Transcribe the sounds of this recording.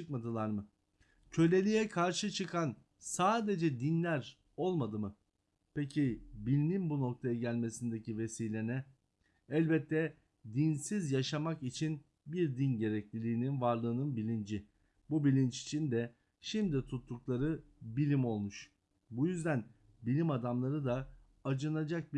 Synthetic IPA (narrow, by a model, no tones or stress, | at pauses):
t͡ʃɯkmad̪ɯlˠaɾmɯ | cʰø̞lʲe̞lʲijɛkʰaɾʃɯt͡ʃʰɯkʰan | saːd̪e̞d͡ʒɛd̪inlʲæɾ | o̞lˠmad̪ɯmɯ | pʰecʰibilʲninbuno̞k̚t̪ʰajaɟælʲme̞sind̪ecive̞siːlʲe̞nɛ | ɛlʲbɛt̪ʰːɛ | d̪insizjaʃamakit͡ʃʰin | biɾd̪inɟe̞ɾɛclʲilʲiːninvaɾlˠɯːnɯnbilʲind͡ʒi | bubilʲint͡ʃi̥t͡ʃʰind̪ɛ | ʃimd̪it̪ʰut̪ʰːuklˠaɾɯbilʲimo̞lˠmuʃ | bujyzd̪æn | bilʲimad̪amlˠaɾɯd̪aː | d͡ʒɯnad͡ʒak̚b